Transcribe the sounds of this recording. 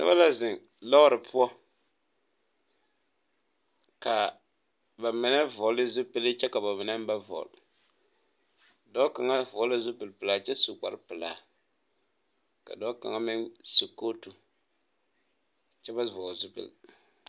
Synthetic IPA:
nɨ̰˦ba˦la˦zɪ˨ŋ | lɔ˦ʊ˦ɾɨ˨pʰʊ˦ɔ˦ | ka˨ | ba˨mɪ˨nɛ˦vɔ˨lɪ˦zʊ˦pɨ˦lɨ˦t͡ʃɛ˦ka˨ba˨mɪ˨na˦m˦ba˦vɔ̰˨l | dɔ˦ka˨ŋa˦vɔ˨˦la˦zʊ˦pɨ˨lpɨ˨la˨t͡ʃɛ˦su˨k͡pa˨ɾpɨ˨la̰ː˨ | ka̰˨dɔ˦ka̰˨ŋa˦mɪ˦nsu˨ko˦tu˨ | t͡ʃɛ˦ba˦vɔ˨zʊ˦pɨ̰˨l

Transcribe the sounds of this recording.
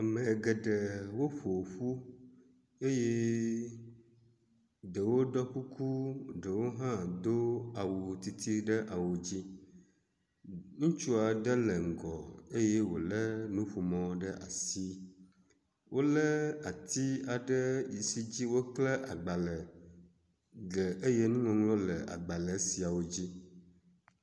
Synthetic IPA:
a˨mɛ̃˨ɡɛ˨ɖə˨wo˦ɸo˨ɸu˦ | e˦je˦ | ɖə˨wo˦ɖɔ˦ku˦ku˦ɖə˨wo˦ɦã˦d̪o˦a˨wu˨t̪i˨˦t̪ʰi˦ɖə˦ʔa˨wu˨d͡ʑi˦ | ŋũ˦t͡ʃu˦a˨ɖə˦lə˨ŋ̩˨ɡɔ̰˨e˦je˦wo̰˨lə˦nũ˦ɸu˨mɔ̃˦ɖə˦ʔa̰˨si˦ | wʔo˦lə˦a˨t̪i˦a˨ɖə˦ji˨si˦d͡ʑi˦wo˦klɛ˦ʔa̰˨ɡ͡ba˨lə˨ | ɡə˨ʔe˦je˦nũ˦ŋɔ̃˨ŋlɔ̃˦lə˨a̰˨ɡ͡ba˨lə˨˦si˨a˨wo˨d͡ʑi˦

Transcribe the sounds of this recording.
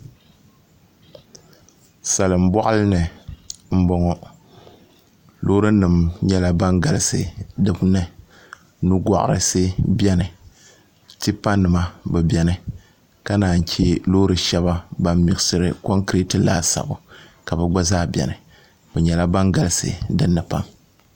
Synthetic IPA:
sa˨lɨ˨m̩˦bɔ˦ʔa˦lɨ˦nɨ˨m̩˦bɔ˦ŋɔ˦ | loː˦ɾɨ˦nɨ˨mɲɛ˦la˦ba˦ŋɡa˨lɨ˦sɨ̰˨dɨ˨bnɨ˨ | nu˦ɡʷɔ̰˨ʔʊ̰˨ɾɨ̰˨sɨ˦bɛ˦nɨ˨ | ti˦pa˦nːɨ˨ma˦bɛ˨bɛ˨nɨ˨ | ka˦naː˨ɲ̩˨t͡ʃi˦lo˦ɾɨ˨ʃɛ˦βa˦ba˦mmi˨ɡɨ˨sɨ˦ɾɨ˦ko˦ŋkɾe˦tɨ˦la̰ː˦sa̰˨bʊ̰˨ka˨bɛ˨ɡ͡ba˦zaː˦bjɛ̰˨nɨ˨ | bɛ˨ɲɛ˨la˦ba˦ŋɡa˨lɨ˦sɨ̰˨dɨ˦nːɨ˨pa̰˦m

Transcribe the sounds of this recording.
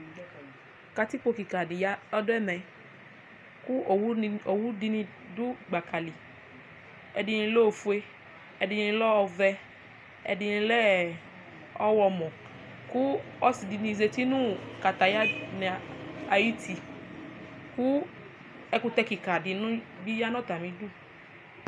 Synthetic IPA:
ka˨˧ti˦k͡po˧ki˨ka˨di˨ja˦ɔ˦dʊ˦ɛ˦mɛ̃˨ | ku˦˨˦o˨wu˦di˧nĩ˧ | du˦ɡ͡ba˨ka˨li˨ | ɛ˧di˧nĩ˧˦lo˦o˨fu˦e˧ | ɛ˧di˧nĩ˧lɔ˦ɔ˧vɛ˧ | ɛ̰˧di˧nĩ˧lɛ˦ | ɔ˦wɔ˧mɔ̃˨ | ku˦ɔ˦si˨di˧nĩ˧ze˧ti˦nũ˦ka˨t̪a˨ja˦nɛ˨a˨ji˦ti˨ | ku˦ | ɛ˧˦ku˧t̪ɛ˧ki˨ka˨di˨nũ˦bi˦ja˦nɔ̃˦t̪a˨mĩ˧du˦˨

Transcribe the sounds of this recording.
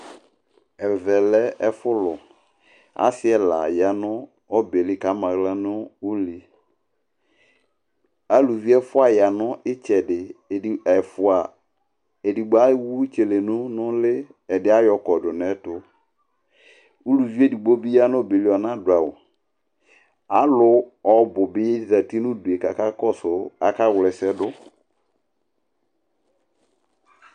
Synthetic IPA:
ɛ˨vɛ˨lɛ˦ɛ˦fʊ˦lʊ˨ | a̰˨˦sɪ˦ɛ˨la̰˨ja˨nʊ˦ | ɔ˦be˨lɪ˦ka˨˦mã˨ɣla˦nʊ˦u˦li˨ | a˦lu˨vi˦ɛ˦fʊ˦a˨ja˨nʊ˦ɪ˦t͡ʃɛ˨dɪ˨ɛ˨fʊ˨a˨ | e˨di˨ɡ͡ba˦wu˦t͡ʃe˨le˨nʊ̃˦nʊ̃˦lɪ˦ | ɛ˨dɪ˨˦a˦jɔ˨kɔ˨dʊ˨nɛ˦tʊ˦ | u˦lu˨vi˦e˦˨di˨ɡ͡bo˦bi˦ja˦nʊ˦˨be˨li˦ɔ˨nã˦dʊ˨a˨wʊ˨ | a˨˦lʊ˦ɔ˦bʊ˨bɪ˦je˦di˨ta˨ti˦nʊ̃˦du˨e˨ka˨ka˦kɔ˦sʊ˨a˨ka˦wlɛ˨sɛ˦dʊ˦

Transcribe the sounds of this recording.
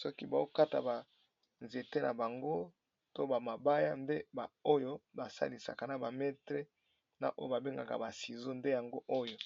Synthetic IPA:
sɔ˦ki˦ba˨o˦ka˦ta̰˨ba˨ | nze˨te˦na˨ba˨ŋɡo˦ | to˦ba˨ma˨ba˦ja˦nde˦ba˨o˦jo˦ba˨sa̰˦li˨sa̰˨ka˨na˨ba˨mɛ˦tʁe˦ | na̰˨ʔo˦jo˦ba˨be˦ŋɡa̰˨ka̰˨ba˨si˨zo˦nde˦ja˨ŋɡo˦ʔo˦jo˨

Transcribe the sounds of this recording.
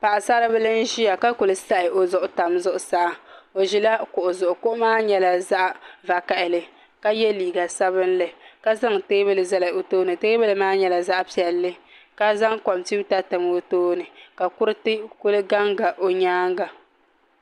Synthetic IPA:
pa˨ʔa˨sa˦ɾɨ˦bɨ˦lɨ˦n˦ʒi˦ja˨ka˦kʊ˨lɨ˦sa˦ʔɪ˨ʔo˨zʊ˨ʔʊ˨ta˨mzʊ˦ʔʊ˨sa˦˨˦o˨ʒi˦la˦kʊ˨ʔʊ˨zʊ˨ʔʊ˨kʊ˦ʔʊ˦maː˦ɲɛ˦la˨za˦ʔva˨ka˨ʔɪ˨lɨ˦ | ka˦jɛ˦liː˨ɡa˨sa˦βɨ˦n̩˦lɨ˨ka˦za˦ŋteː˦bɨ˦lɨ˨za˦la˨o˨toː˦nɨ˨teː˦bɨ˦lɨ˦maː˦ɲɛ˨la˨za˦ʔpi˨ɛ˨lːɨ˦ | ka˦za˦ŋkɔ˨mti˦ta˦tɨ˨m˦o˦toː˦nɨ˨ka˨kʊ˦ɾɨ˦tɨ˦kʊ˦lɨ˦ɡa˦ŋɡa˨ʔo˨ɲaː˦ŋ˦ɡa˨

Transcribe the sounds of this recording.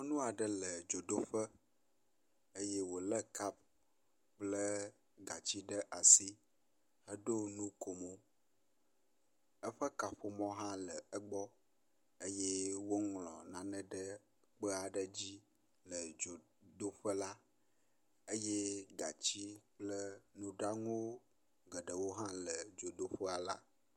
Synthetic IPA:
ɔ̃˦nũ˦a˨ɖə˦lə˨d͡ʒo˨d̪o˦ɸə˦ | e˦je˦wo˨lə˦ka˦b̚ | k͡plə˦ | ɡa˨t͡ɕi˦ɖə˦ʔa˨si˦ | ə˦ɖo˦nũ˦ko˨mo˦ | ə˦ɸə˦ka˨ɸo˨mɔ̃˦ɦã˦lə˨ə˦ɡ͡bɔ˦ | e˦jɛ˦wo˦ŋlɔ̃˨nã˨nɛ̃˦ɖə˦ | k͡pə˦a˨ɖə˦d͡ʑi˦ | lə˨d͡ʒo˨ | d̪o˦ɸə˦la˦ | e˦jɛ˦ɡa˨t͡ɕi˦k͡plə˦nũ˦ɖa˦ŋũ˦ | ɡə˨ɖə˨wo˦ɦã˦lə˨d͡ʒo˨d̪o˦ɸə˦a˨la̰˦

